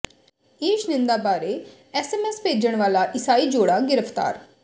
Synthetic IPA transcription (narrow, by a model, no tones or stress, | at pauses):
eːʃnɪ̃nd̪aːbaːɾeː | ɛːsɛːmɛːspeːd͡ʒəɳ̃ʋaːlaːʔɪsaːiːd͡ʒoːɽaːɡɪɾəpʰt̪a̰ːɾ